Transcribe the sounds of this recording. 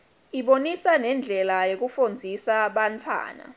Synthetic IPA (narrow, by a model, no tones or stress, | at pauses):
iɓonisanɛnd͡ɮʱɛlajok̬ufond͡zʱisaɓantʰwa̰ːna̰